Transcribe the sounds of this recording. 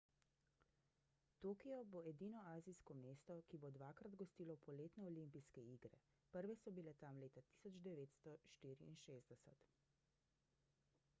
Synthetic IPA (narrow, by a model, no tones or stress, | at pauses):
t̪oːkijɔboɛd̪iːnɔaːzijskɔmeːst̪ɔkibod̪ʋaːkɾad̪ɡɔst̪iːlɔpɔleːt̪nɛɔlimpiskɛiːɡɾɛ̰ | pəɾʋɛsɔbilɛt̪amleːt̪at̪i̥sɔd͡ʒd̪ɛʋeːt̪st̪ɔʃt̪iːɾḭːnʃeːzd̪ɛsɛt̪